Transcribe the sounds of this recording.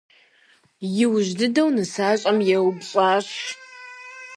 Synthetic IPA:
jɪwʑdɨdɐwnɨsaːɕʼɐmjɛwbɕʼaːɕ

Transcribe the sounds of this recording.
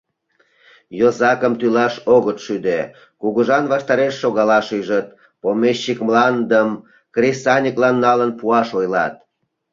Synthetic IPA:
jozɑkəmt̪ylɑʃoɣət̪ʃyd̪e | kuɣuʒɑnβɑʃt̪ɑɾeʃːoɣɑlɑʃyjʒət̪̚ | pomeʃːikmlɑnd̪əm | krisɑnʲiklɑnːɑlənpuɑʃojlɑ̰t̪̚

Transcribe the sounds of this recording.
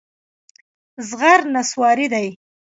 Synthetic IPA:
zɣaɾnaswɑɾid̪aj

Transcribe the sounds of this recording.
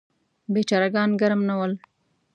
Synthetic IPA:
bet͡ʃɑːɾaɡɑːnɡaɾmnawəl

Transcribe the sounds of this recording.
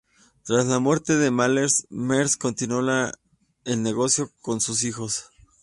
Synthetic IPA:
t̪ɾaslamwe̞ɾt̪e̞ðe̞maleɾsmeɾsko̞nt̪inola | elne̞ɣo̞sjo̞ko̞nsusixo̞s

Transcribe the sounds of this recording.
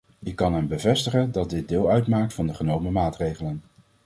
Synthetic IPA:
ɪkːɑnɦɛmbəvɛstəχəndɑt̚dɪd̚dɪːlˠœɥtmaːk̚tfɑndəχənowməmaːtrejχələn

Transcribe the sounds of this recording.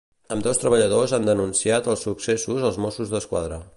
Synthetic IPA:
əmd̪ɔwst̪ɾəβəʎəðozand̪ənunsiat̪əlˠsuksesuzəlˠzmosuzðəskwa̰ðɾə

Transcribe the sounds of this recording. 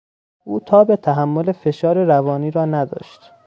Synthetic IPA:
ʔuːt̪ʰɒːbe̞t̪ʰæɦæmːo̞le̞fe̞ʃɒːɾeɾævɒːniːɾɒːnæd̪ɒ̰ːʃt̪

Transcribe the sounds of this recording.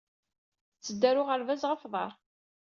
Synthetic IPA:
t͡sːəd̪ːæɾʊʁəɾvæzʁəfðˤɑɾˤ

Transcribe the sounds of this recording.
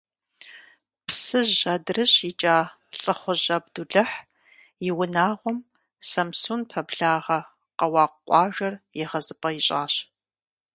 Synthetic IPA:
pʰsɨʑɐdrɨɕɪt͡ʃʼaː | ɬʼɨχʷʊʑɐb̚duɮɐħ | jɪwʊnaːʁʷɔm | sɐmsuːnpʰɐbɮaːʁɐ | qɐwɑːqʷʼɑːʒɐrjɛʁɐzɨpʼɐjiɕʼaːɕ

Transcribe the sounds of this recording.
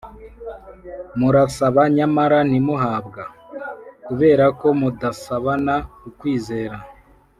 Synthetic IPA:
muɾasaβaɲamaɾanimuɦaːbɡa | kuβe̞ːɾako̞mudasaβanakukwiːze̞ːɾa

